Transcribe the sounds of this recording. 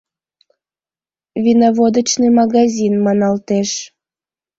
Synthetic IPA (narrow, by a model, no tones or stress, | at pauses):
vʲinɑβod̪ət͡ɕnemɑɣɑzʲinmɑnɑlt̪eʃ